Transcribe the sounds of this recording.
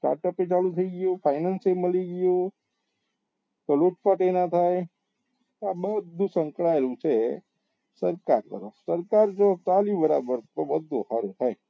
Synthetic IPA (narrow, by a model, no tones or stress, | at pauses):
sʈa̰ɾʈəpet͡ʃalũt̪ʰəiɡjũfʰajnanseməliɡjũ | t̪oloʈpəʈenat̪ʰaj | t̪abəd̪ʱːũsə̃ŋkɽaelũt͡ʃʰe | səɾkaɾt̪ə̰ɾəfsəɾkaɾd͡ʒot͡ʃalibəɾa̰bəɾt̪obəd̪ʱṵ̃haɾũt̪ʰaj